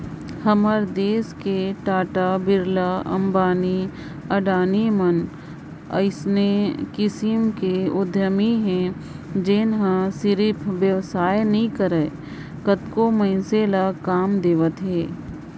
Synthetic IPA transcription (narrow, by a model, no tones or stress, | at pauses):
hɐməɾd̪eːskeʈaːʈabɪɾlaɐ̰̃mbaːni | ɐɖaːnimən | ə̰ɪsnekɪsɪmkeʊd̪ʱjəmiɦɛ̃ | d͡ʒeːnɦãsɪɾɪpʰʋjəʋsaːjnɐɦĩkəɾə | kət̪komɐ̃ɪnselakaːmd̪eːʋət̪ɦeː